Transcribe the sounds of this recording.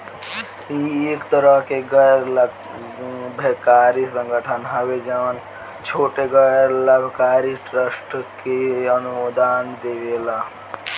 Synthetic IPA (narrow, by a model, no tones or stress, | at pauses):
iekt̪əɾəɦkeɡəɾl | bʱekaɾisəŋɡəʈʰənɦəbed͡ʒən | t͡ʃʰoʈeɡəjɾləbʱkaɾiʈɾəsʈkeənumod̪ʱand̪eʋela